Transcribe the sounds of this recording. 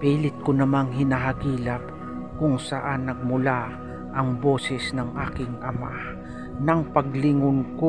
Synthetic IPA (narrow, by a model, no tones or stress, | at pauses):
piːlɪt̪̚kʊnɐmaŋɦɪnaɦɐɡiːlɐp̚ | kʊŋsɐʔanːɐɡ̚mʊla | ʔɐŋbo̞ːsɛsnɐŋʔaːkɪŋʔɐma̰ | nɐŋpɐɡlɪŋʊnko